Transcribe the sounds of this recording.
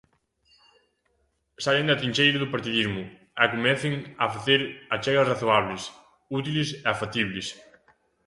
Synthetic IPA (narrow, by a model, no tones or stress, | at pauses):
saleŋd̪ɐt̪ɾiɲʲt͡ʃejɾɐðʊpaɾt̪iðizmʊ | ɛkomɛθɪŋafaθeɾat͡ʃɛɣɐsraθoaβles | ut̪ilɪsɛafat̪iβlɪs